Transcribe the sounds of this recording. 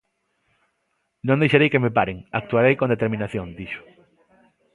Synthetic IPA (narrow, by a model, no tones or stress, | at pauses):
nõŋd̪ejʃaɾejkemepaɾeŋak̚t̪uaɾejkond̪et̪eɾmĩnaθjõŋd̪iʃʊ̥